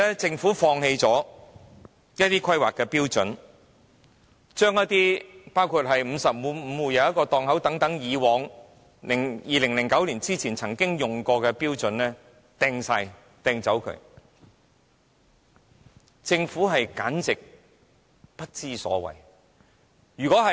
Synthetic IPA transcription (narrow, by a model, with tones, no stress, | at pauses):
ɛ˥t͡sɪ˧ŋfuː˨˥fɔː˧ŋɦe˧jt͡sɔː˨˥ | jɐ˥t̪iː˥kʰɐ˥jwaː˨kɛː˧piː˥wt͡sɵ˨˥n | t͡ʃœː˥ŋjɐ˥t̚t̪iː˥paː˥wkʰu˧t̚hɐ˨jm̩˨˧sɐ˨p̚muː˨˧˥m̩˨˧wuː˨˧jɐ˨˧wjɐ˥tkɔː˧t̪ɔː˨˧ŋɦɐ˨˥wt̪ɐ˨˥ŋt̪ɐ˨˥ŋjiː˨˧wɔː˨˧ŋ | lɪ˨˩ŋjiː˨lɪ˨˩ŋlɪ˨˩ŋkɐ˨˥wliː˨˩nt͡siː˥t͡sʰiː˨˩nt͡sʰɐ˨˩ŋkɪ˥ŋjʊ˨ŋkɔː˧kɛː˧piː˥wt͡sɵ˨nlɛː˥ | t̪ɛː˧ŋsaː˧j | t̪ɛː˧ŋt͡sɐ˨˥wkʰɵ̰˧ɥ | t͡sɪ˧ŋfuː˨˥ɦɐ˨jka̰ː˨˥nt͡sɪ˨k̚ | pɐ˥t̚t͡siː˥sɔ̰ː˨˥wɐ̰˨˩j | jyː˨˩kɔː˨˥ɦɐ˨